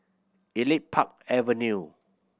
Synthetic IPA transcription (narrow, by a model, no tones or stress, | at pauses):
ilit̚pʰak̚ | ɛvənju